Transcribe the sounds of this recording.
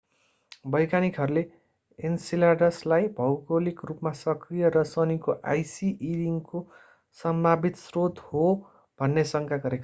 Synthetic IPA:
bʌjkanikɦʌɾule | ensilaɖʌslajbʱʌwɡolikrupmasʌkrijʌɾʌsʌnikoʔa̰jsiʔiɾiŋko | sʌmbʱabit̪srod̪ʱho | bʱʌnːesʌŋkʰaɡʌɾeka

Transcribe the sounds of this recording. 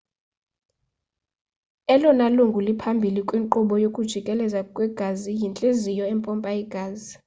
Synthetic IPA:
ɛlɔnaluŋɡʱulipʰambʱilikʼwiŋǃuɓɔjokʼud̥ʒ̥ʱikʼɛlɛzakʼwɛɡ̥ʱazijint͡ɬʼezijɔɛmpʼɔmpʼaɛɡ̥ʱaːzi

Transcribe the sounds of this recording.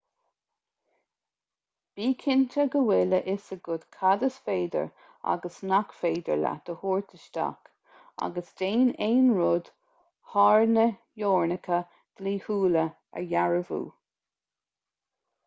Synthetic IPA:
b̥iːkʰɪnt̪ʰəɡəwɪləʔɪsəɡʊd̪̥kʰad̪əsfeːd̪ə̰ɹ | a̰ɡəsnakfeːd̪ə̰ɹla̰d̪̥əhoːɹt̪ʰəʃt̪a̰k | a̰ɡəsdeːneːnɹʊd̪̥ | hɑɹnə | joːɹnəkʰə | d̪̥liːhuːlə | ə̰ɹjaɹəvṵː

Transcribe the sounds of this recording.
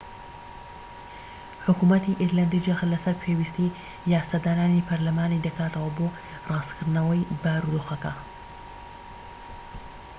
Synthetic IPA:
ħʊkumɐt̪ʰiʔiɾland̪id͡ʒɐxlɐsɐɾpʰewist̪i | jaːsad̪aːnaːnipʰɐɾlɐmaːnid̪ɐkʰaːt̪ɐwɐboː | rɑːskʰɨɾd̪nɐwɐjbaːɾud̪oxɐkɐ̰

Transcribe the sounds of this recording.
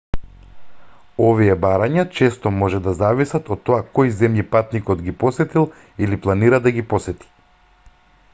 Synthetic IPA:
ɔvijɛbaɾaɲat͡ʃɛst̪ɔmɔʒɛd̪azavisat̪ɔt̪ːɔakojzɛmjipat̪nikɔd̪ɡipɔsɛt̪ilˠ | iliplˠaniɾad̪aɡipɔsɛt̪i̥

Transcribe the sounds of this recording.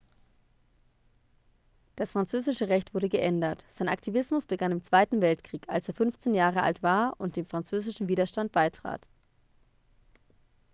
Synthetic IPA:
d̥asfʁ̥ant͡søːzɪʃəʁɛçtv̥ʊɐɾəɡəʔɛndɐtz̥aɪna̰ktʰivɪsmʊsb̥əɡanɪmt͡sv̥aɪtn̩vɛltkʁ̥iːkalseːɐfʏnft͡seːnjaːʁəʔa̰ltv̥aːɐʊnt̚d̥eːnfʁ̥ant͡søːzɪʃn̩viːdɐʃtant̚b̥aɪtʁ̥a̰ːt

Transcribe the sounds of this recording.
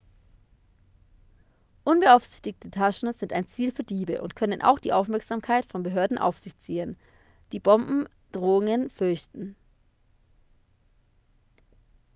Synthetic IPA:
ʔʊnbəʔaʊfz̥ɪçtɪk̚tʰətʰaʃn̩zɪntaɪnt͡siːlfyːɐdiːbəʔʊ̰ntkʰœnənʔa̰ʊxd̥iːʔaʊfmɛɐkz̥aːmkʰaɪtfɔnbəɦøːɐdn̩ʔa̰ʊfz̥ɪçt͡siːən | d̥iːbɔmbm̩ | d̥ʁoːʊŋənfʏɐçtn̩

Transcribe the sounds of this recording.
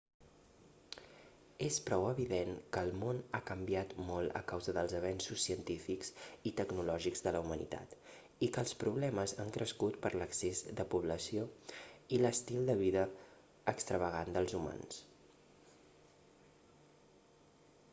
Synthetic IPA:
espɾɔwəβiðeŋkəlˠmonakəmbiat̪mɔlˠə̰kawzəðəlˠzəβ̞ɛnsusːiənt̪ifikzit̪əɡnulɔʒikzðələumənḭt̪a̰t̪ | ikəːlˠspɾuβlɛməzaŋkɾəskut̪pəɾləksezðəpuβləsioiləst̪ilˠd̪əβiðəː | kst̪ɾəβ̞əɣ̞and̪əlˠzuma̰ns

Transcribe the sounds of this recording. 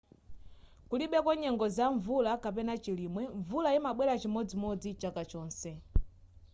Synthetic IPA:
kuliɓɛkwɔɲɛŋɡɔzaɱvulakap̬ɛnat͡ʃilimwɛɱvulaimaɓwɛɾat͡ʃimɔd͡zimɔd͡zit͡ʃakat͡ʃɔːnsɛ

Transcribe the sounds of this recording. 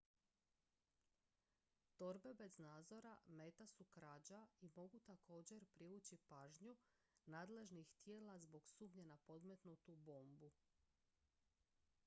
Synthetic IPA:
t̪o̞ɾbe̞be̞znaːd̪zo̞ɾameːt̪asukɾaːd͡ʑaimo̞ɡut̪akʰo̞ːd͡ʑe̞ɾpɾiuːt͡ɕipaːʒɲu | naːd̪le̞ʒnixt̪je̞ːlazbo̞ɡsuːmɲenapo̞d̪me̞t̪nut̪ubo̞ːmbu

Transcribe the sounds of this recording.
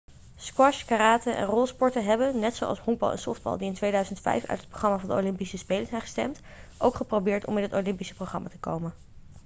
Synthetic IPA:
skwɑʃkaɾaːtənʔɛ̰nrɔlˠspɔɹtəɦɛbənnɛtsowʔɑ̰smɔŋɡ̚bɑ̰lˠʔɛ̰nsɔfd̚bɑ̰lˠdiɪntʋejdœɥzəntfɛ̰jfœ̰ɥt̚ət̚proχrɑmaːvɑndəo̰wlɪmpisəspejləɹz̥ɛjnχə̥stɛ̰mt | ʔowkχəprowbɪːɹtɔ̰mɛnɦətowlɪmpisə̥prowχrɑma̰ːtəko̰wmən

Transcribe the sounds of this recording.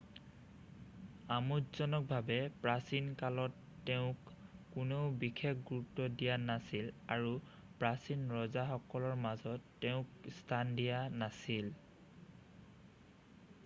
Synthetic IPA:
amutzɔnɔk̚bʱabɛpɹasinkalɔtːeʊ̃kːʊnobixʰekʰɡuɹutːɔdijanasilaɹu | pɹasinɹɔzaxɔkɔlɔɹmazɔtːeʊ̃kstʰandijanasil

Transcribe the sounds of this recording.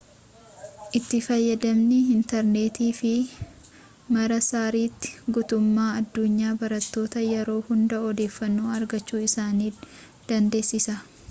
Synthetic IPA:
ʔɪt̪ːɪfɐjːɐd̪ɐmnɪɪnt̪ɐɾne̞ːt̪iːfɪ | mɐɾɐsaːɾiːt̪ːɪ̥ɡʊt̪ʊmːaːɐd̪ːʊɲːaːbɐɾɐt̪ːo̞ːt̪ɐjɛɾo̞ːhʊnd̪ɐɔd̪e̞ːfːɐnːoːɐɾɡɐt͡ʃːuːɪsaːniː | d̪̥ɐnd̪e̞ːsːɪsɐ

